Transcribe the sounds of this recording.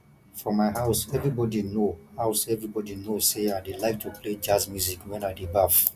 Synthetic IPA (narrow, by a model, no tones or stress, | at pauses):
fɹɔmaɪɦaʊsɛvɹibɔdinohaʊsɛvɹibɔdinoseaɪdelaɪk̚tʰupʰled͡ʒazmjuzikwɛ̃naɪdebaf